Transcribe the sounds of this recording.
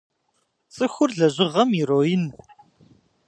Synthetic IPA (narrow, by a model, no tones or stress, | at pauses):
sɨxʊrɮɐʑɨʁɐmiɾojɪn